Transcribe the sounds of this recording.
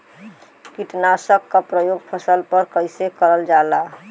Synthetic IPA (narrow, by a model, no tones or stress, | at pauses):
kiʈnasəkːapɾəjoɡpʰəsəlpəɾkəɪsekəɾəld͡ʒala